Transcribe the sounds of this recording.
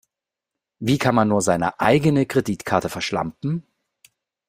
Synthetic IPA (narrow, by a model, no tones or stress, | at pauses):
viːkʰanmanːuːɐzaɪnə̰ʔa̰ɪɡənəkʁ̥ediːtkʰaɐtəfɛɐʃla̰mpn̩